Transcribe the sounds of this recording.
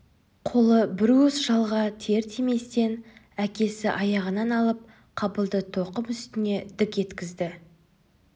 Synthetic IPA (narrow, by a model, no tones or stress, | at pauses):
qʰo̞lˠəbɪɾusʒ̥ɑlˠʁɑt̪ʰe̞ɾt̪ʰeme̞st̪e̞n | ækʲe̞sɪʔɑjɑʁənɑnɑlˠəp̚ | qʰɑbəlˠd̪ət̪ʰo̞qəmʏst̪ɪne̞d̪ɪkʲe̞t̪kʲɪzd̪ɪ